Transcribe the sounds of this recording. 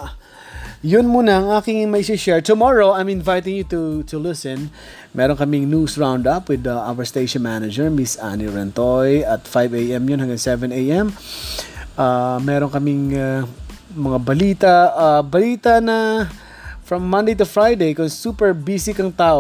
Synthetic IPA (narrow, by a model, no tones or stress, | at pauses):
jʊnmuːnɐɐŋaːkɪŋmɐʔisiʃɛɹt̪ʊmɔɹoɐjmɪnvajt̪ɪ̃ŋjʊt̪ut̪ʊlɪsɛ̃n | mʔɛːɾoŋkɐmɪŋnuːsɹãwnd̪ɐpwɪd̪ɐʔawɐɹst̪eɪʃɔnmænɐd͡ʒɛɹmɪsʔa̰niɹɛnt̪ojɐt̪fajvejɛmjʊnhɐ̃ŋɡɐŋsɛvɛ̃neʔɛm | ʔamɛːɾoŋkɐmɪŋa | mɐŋabɐliːt̪ɐabɐliːt̪ɐnɐ | fɹɐmːɐ̃nd̪ejt̪ʊfɹajd̪ejkʊŋsuːpɛɹbiːsɪkɐŋt̪aːʔo